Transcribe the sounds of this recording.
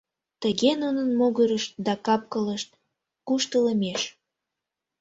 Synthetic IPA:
t̪əɣenunənmoɣəɾəʃt̪d̪ɑkɑp̚kələʃt̪̚ | kuʃt̪ələmeʃ

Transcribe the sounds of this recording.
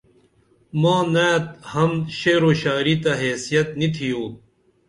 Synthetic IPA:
mãːnaːt̪hɐmɕeːɾoɕaːɾit̪ɐɦeːsijɐt̪nit̪ʰijoː

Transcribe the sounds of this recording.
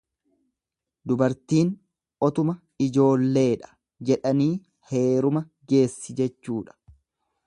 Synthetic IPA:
d̪ʊbɐɾt̪iːn | ʔɔt̪ʊmɐ | ɪd͡ʒo̞ːlːe̞ːᶑɐ̥ | d͡ʒɛᶑɐniː | he̞ːɾʊmɐ | ɡe̞ːsːɪd͡ʒɛt͡ʃːuːᶑɐ̥

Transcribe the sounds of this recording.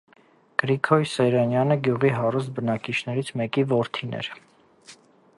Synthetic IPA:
ɡ̥əɾikʰɔjsɛɾɑnjɑnəɡjuʁiɦɑrust̪̚bənɑkit͡ʃʰnɛɾit͡sʰmɛkivɔɾt̪ʰinɛ̰ɾ

